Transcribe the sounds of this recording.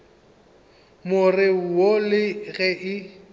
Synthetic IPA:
mʊrɪolɪɣɛʔɪ

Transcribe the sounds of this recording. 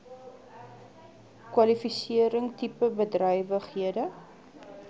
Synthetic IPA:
kwɐlifisiəɾəŋtipəbədrœjvəχɦiədə

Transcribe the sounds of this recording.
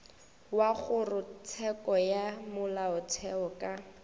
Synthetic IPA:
waχʊrʊt͡sʰɛkɔjamʊlaʊt͡sʰɛɔkʼa

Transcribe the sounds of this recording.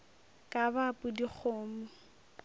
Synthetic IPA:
kʼabapʼʊdik͡xʰoːmʊ

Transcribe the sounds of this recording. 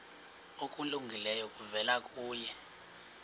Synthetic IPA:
okʼuluŋɡʱilɛjɔkʼuvɛlakʼuːjɛ

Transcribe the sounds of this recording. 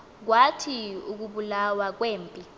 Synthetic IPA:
k̬watʰiuk̬uɓulawak̬weːmpʼi

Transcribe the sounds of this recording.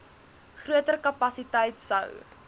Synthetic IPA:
χruətərkɐpɐsitɛjtsə̰w

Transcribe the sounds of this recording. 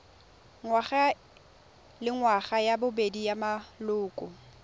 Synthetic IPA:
ŋwaχa | lɪŋwaχajabʊbedijamalʊːkʼʊ

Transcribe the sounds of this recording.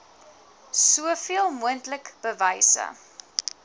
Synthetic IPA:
suəfiəlˠmuəntləkb̥əvɐjsə̰

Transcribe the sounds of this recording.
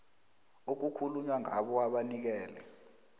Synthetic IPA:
ok̬ukʰuluɲwaŋʱaɓɔaɓanik̬ɛːlɛ

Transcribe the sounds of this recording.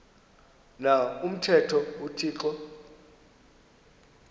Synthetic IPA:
naum̩tʰɛtʰɔutʰiːǁɔ

